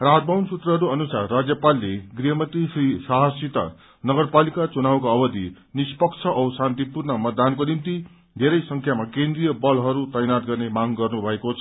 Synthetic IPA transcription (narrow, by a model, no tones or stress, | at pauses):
raɦʌt̪̚bʱawnsut̪rʌɦʌɾuʌnusarːad͡zjʌpalːeɡriɦʌmʌt̪isrisaɦʌsit̪a̰ | nʌɡʌrpalikat͡sunawkaʌbʌd̪i | nispʌkt͡sʰʌʔʌwsãnt̪ipurnʌmʌt̪̚d̪ankonimt̪i | d̪ʱeɾʌjsʌŋkʰjamakẽnd̪rijʌbʌlɦʌɾut̪ʌjnat̪̚ɡʌrnemaɡɡʌrnubʱʌekot͡sʰʌ